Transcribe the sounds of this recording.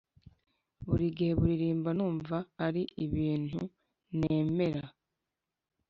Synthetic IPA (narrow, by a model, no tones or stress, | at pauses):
βuɾiɡiheβuɾiɾiːmbanuːɱvaːɾiiβiːn̥ṵ | ne̞ːme̞ɾa